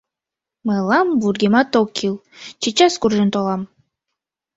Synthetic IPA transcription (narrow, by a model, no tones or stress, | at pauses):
mɨlˠɑmburɡʲemɑt̪okʲʰːilˠ | t͡ʃit͡ʃaskurʒɯnt̪olˠɑm